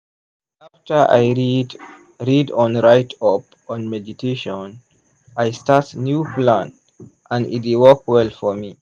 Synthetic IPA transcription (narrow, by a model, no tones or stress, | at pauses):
aftə˞ʔa̰j | ɹidɔ̃nɹaɪtʰɔp̚ | ɔ̃nmɛditʰeʃɔ̃n | ajstatsnjuplãn | ʔãndḭtwɔkwɛlfɔmi